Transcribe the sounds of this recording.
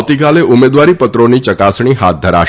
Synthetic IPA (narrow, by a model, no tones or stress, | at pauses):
t̪ikaleʔʊmed̪ʋaɾipət̪ɾonit͡ʃəkasɳ̃iɦat̪̚d̪ʱəɾa̰